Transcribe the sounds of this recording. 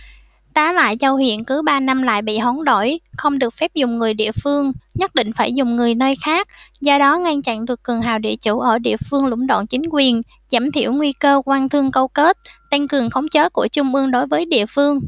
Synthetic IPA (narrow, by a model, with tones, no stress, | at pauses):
t̪aː˨˦la̰ː˧˨jzə˧whḭ˧˨ənkɨ˨˦ɓaː˧na˧mla̰ː˧˨jɓḭ˧˨ɦɔ˨˦nɗo˧˩jxə˧wŋ͡mɗɨ˨˩ək̚fɛ˦˥p̚zʊ˨˩ŋ͡mŋɨ˨˩əjɗḭ˧˨əfɨ˧əŋɲə˦˥t̚ɗḭ̈˧˨ŋ̟faː˧˩jzʊ˨˩ŋ͡mŋɨ˨˩əjnəː˧jxaː˦˥k̚zɔ˧ɗɔ˨˦ŋa˧nt͡ɕa̰˧˨nɗɨ˨˩əkːɨ˨˩əŋɦa̰ː˨˩wɗḭ˧˨ət͡ɕu˧˩ʔəː˧˩ɗḭ˧˨əfɨ˧əŋlʊ̰˧˥˩ŋ͡mɗo̰˧˨nt͡ɕï˨˦ŋ̟kwi˨˩ən | zaː˧˩mt̪ʰḭ˧˩əwŋwi˧kəː˧kwaː˧nt̪ʰɨ˧əŋkə˧wke˦˥t̚t̪a˧ŋ̟kɨ˨˩əŋxə˨˦wŋ͡mt͡ɕəː˨˦ku˧˩ət͡ɕʊ˧ŋ͡mʔɨ˧əŋɗo˨˦jvəː˨˦jɗḭ˧˨əfɨ˧əŋ